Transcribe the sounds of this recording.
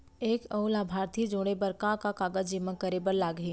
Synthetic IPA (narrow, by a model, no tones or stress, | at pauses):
eːkɐʊlaːbʱaːɾt̪ʰid͡ʒoːɽ̃ebəɾkakakaːɡəd͡ʒd͡ʒɪməkəɾebəɾlaːɡɦiː